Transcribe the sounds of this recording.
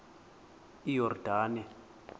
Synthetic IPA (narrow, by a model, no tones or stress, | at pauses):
ijɔrd̥ʱaːnɛ